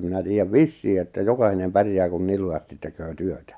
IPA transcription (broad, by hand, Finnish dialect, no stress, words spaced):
minæ tiːjːæʋ ʋisːiː etːæ jokɑhinem pærjæː kun nil lujɑstit tekøː tyøtæ